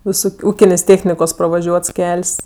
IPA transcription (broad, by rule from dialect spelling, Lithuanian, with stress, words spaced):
ʋʲɪˈsʊk ˈuːkʲɪnʲeːsʲ ˈtʲeːxʲnʲɪkoːs prɐʋɐˈʒʲuɔts ˈkʲɛlʲsʲ